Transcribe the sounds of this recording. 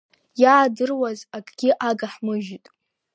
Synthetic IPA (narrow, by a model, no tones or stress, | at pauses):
jaːdɨrwazakʼɡʲɪʔaɡaħmɨʒitʼ